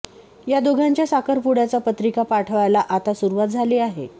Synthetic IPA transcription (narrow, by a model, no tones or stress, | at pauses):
jad̪oɡʱaɲt͡ɕjasakəɾpuɽat͡sapət̪ɾikapaʈʰəʋajlaʔat̪asuɾuʋat̪̚d͡zʱaliːaɦḛ